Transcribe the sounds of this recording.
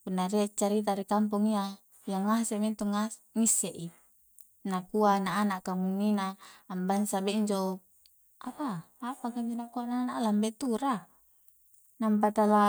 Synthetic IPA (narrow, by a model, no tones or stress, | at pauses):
punːaɾiat͡ʃːaɾit̪̬aɾikamp̬uŋia | jaŋːasemint̪uŋaŋisːeʔi | nakuanaːnaʔkamunːinaːmbansabeiɲd͡ʒo | ʔapaː | pakaɲd͡ʒonakuananaʔlambet̪uɾa | nampat̪ala